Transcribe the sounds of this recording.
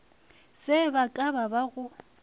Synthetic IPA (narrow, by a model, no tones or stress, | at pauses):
sɪbakʼababaɣʊ